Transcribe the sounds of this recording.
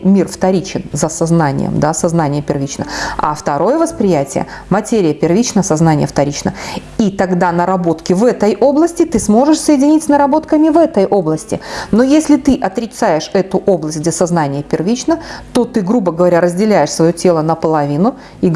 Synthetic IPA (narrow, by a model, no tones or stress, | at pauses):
mʲirft̪ɐɾʲit͡ɕɪnzəsɐznanʲɪ̰jə̰md̪asɐznanʲɪjəpʲɪrvʲit͡ɕnə̰a̰ft̪ɐɾo̞jəvəspɾʲɪjætʲɪ̰jə̰ | mɐtʲeɾʲɪjəpʲɪrvʲit͡ɕnəsɐznanʲɪjəft̪ɐɾʲit͡ɕnə̰ | it̪ɐɡd̪anəɾɐbo̞t̪kʲɪvɛt̪əjʔo̞blˠəsʲtʲɪt̪ɨsmo̞ʐɨʂsəjɪdʲɪnʲitʲsʲnəɾɐbo̞t̪kəmʲɪvɛt̪əjʔo̞blˠəsʲtʲɪ̰no̞jesʲlʲɪt̪ɨʔɐt̪ɾʲɪt̪sajɪʂɛt̪ʊʔo̞blˠəsʲtʲɡdʲesɐznanʲɪjəpʲɪrvʲit͡ɕnət̪o̞t̪ɨɡɾubəɡəvɐɾʲaɾəzʲdʲɪlʲæjɪʂsvɐjotʲe̞lˠənəpəlˠɐvʲinʊ | i